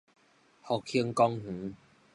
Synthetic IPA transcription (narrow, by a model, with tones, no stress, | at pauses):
hɔ˨kʰi˧əŋkɔ˦˧ŋh̩˨˦